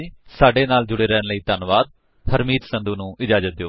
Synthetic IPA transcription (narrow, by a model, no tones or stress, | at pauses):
saːɖeːnaːld͡ʒʊɽeːɾɛːnləiːt̪ənʋaːd̪̚ | həɾmiːt̪sə̃nd̪uːnũːʔɪd͡ʒaːd͡ʒət̪̚d̪ejoː